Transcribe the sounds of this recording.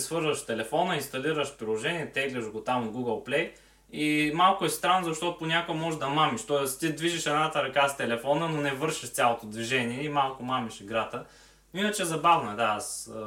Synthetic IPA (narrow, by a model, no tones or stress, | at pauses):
svɤɾzəʃt̪ɛlɛfɔnəinst̪ɐliɾəʃpɾilˠoʒɛniɛt̪ɛɡlʲɛʒɡot̪amɡuɡəlˠplɛj | imalˠkʊɛst̪ɾanːzɐʃt̪ɔt̪ʊponʲakomɔʒd̪ɐmamiʃt̪ɔɛst̪id̪viʒiʃɛnat̪ɐɾɐkast̪ɛlɛfɔnənonɛvɤɾʃiʃt̪sʲalˠot̪od̪viʒɛniɛimalˠkʊmamiʃiɡɾat̪ə | inət͡ʃɛzɐbavnɐd̪aas